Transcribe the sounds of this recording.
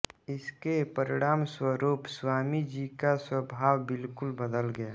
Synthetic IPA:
ɪskepəɾɪɽ̃aːmswəɾuːpswaːmid͡ʒiːkaswəbʱaːwbɪlkʊlbəd̪əlɡəjaː

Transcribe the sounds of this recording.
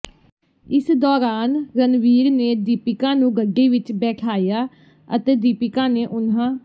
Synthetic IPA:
ɪsd̪ɔːɾaːnɾənʋiːɾneːd̪iːpɪkãːnũːɡəɖːiːʋɪt͡ʃbɛːʈʰaːjaː | ə̰t̪eːd̪iːpɪkãːneːʔʊnãː

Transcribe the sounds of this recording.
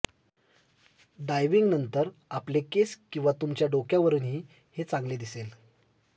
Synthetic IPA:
ɖajʋiŋɡnənt̪əɾaplekeskĩw̃ʋat̪umt͡ɕjaɖokjaʋəɾuːnɦiː | het͡sãŋɡled̪isel

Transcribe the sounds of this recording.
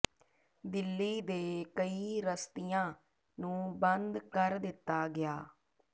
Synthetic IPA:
d̪ɪlːiːd̪eːkəiːɾəst̪ijãː | nũːbənd̪kəɾd̪ɪt̪ːaːɡɪjaː

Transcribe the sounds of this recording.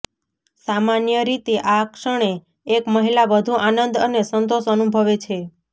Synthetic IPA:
samanjəɾit̪eʔakʃəɳ̃eː | kməɦilaʋəd̪ʱuʔanənd̪ənesənt̪oʃənubʱəʋet͡ʃʰe

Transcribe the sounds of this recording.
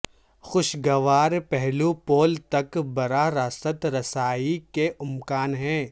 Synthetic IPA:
xʊʃɡɐʋaːɾpɛɦlupoːlt̪ɐkbɐɾaɾaːsət̪ɾɐsaːikeʔʊmkaːnɦɛ̃ː

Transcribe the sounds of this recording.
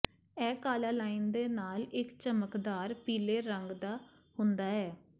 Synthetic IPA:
ɛːkaːlaːlaːiːnd̪eːnaːlɪkt͡ʃəməkd̪aːɾpiːleːɾəŋɡd̪aː | hʊnd̪aːɛː

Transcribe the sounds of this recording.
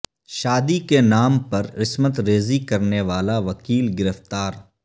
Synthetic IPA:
ʃaːd̪ikenaːmpɐɾɾɪsmət̪ɾeːzikɐɾneʋaːlaʋɐkiːlɡɪɾəft̪aːɾ

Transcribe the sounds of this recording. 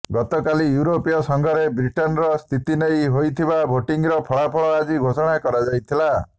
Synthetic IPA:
ɡɔt̪ɔkalijuɾopijɔsɔŋɡʱɔɾebɾiʈɔnɾɔst̪ʰit̪inejɦojt̪ʰibabʱoʈiŋɾɔpʰɔɭapʰɔɭɔad͡ʒiɡʱosɔɽ̃akɔɾad͡ʒajt̪ʰila

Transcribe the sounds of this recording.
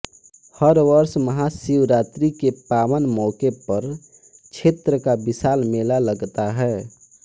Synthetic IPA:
həɾʋəɾsməɦasiwɾaːt̪ɾikepaːwənmɔːkepəɾ | t͡ʃʰeːt̪ɾəkabɪsaːlmeːlaləɡt̪aɦɛː

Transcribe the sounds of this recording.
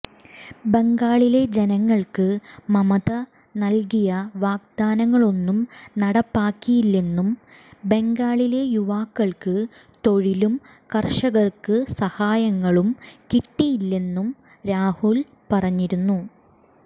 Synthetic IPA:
be̞ŋɡaːɭile̞d͡ʑenɐŋːɐɭkɨmɐmɐðɐ | nɐlkijɐʋaːɡ̚d̪aːnɐŋːɐɭo̞nːumnɐɽɐpːaːkːijilːe̞nːum | be̞ŋɡaːɭile̞juʋaːkːɐɭkɨ | t̪o̞ɻilum | kɐrʂɐɣɐrkɨsɐhaːjɐŋːɐɭumkiʈːijilːe̞nːum | ɾaːhul | pɐrɐɲːiɾunːu

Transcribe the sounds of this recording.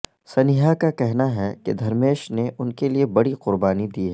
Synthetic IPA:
sɐnɪɦakakɛɦnaɦɛked̪ʱɐɾmeːʃneʔʊnkeliebɐɽiqʊɾbaːnid̪iːɦɛː

